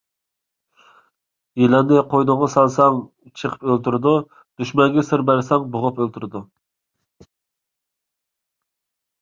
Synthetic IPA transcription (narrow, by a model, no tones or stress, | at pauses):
ilɑnnɪqʰojnʊŋʁɑsɑlˠsɑŋ | t͡ʃʰəqʰə̥pølt̪yɾɨd̪u | d̪̥yʃmɛŋɡʲɛsɪɾbæɾsɛŋboʁʊpølt̪ʰyɾd̪u